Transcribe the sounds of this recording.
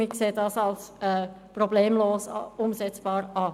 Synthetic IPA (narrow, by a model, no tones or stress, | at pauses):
ɪkseːdɑsɑlsɛ | probleːmloːsʊmzɛt͡sb̥ɑːɾɑ